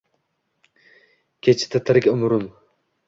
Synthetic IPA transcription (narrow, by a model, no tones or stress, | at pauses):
kʲʰet͡ʃʰɪ̥t̪ʰɪt̪ʰɪɾɪkʲʊmɾʊm